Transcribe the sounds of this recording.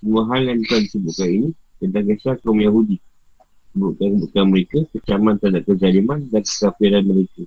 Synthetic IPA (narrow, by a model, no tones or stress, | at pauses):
əmaɦalankanisəbuʔkaninĩ | t̪ənt̪aŋɡəsak̪ɾɔmjaɦudi | səbuʔ̚kankəbuʔkanməɾekakət͡ʃamãnt̪adaʔkəd͡ʒalimandankə̥safiɾanmə̃ɾeka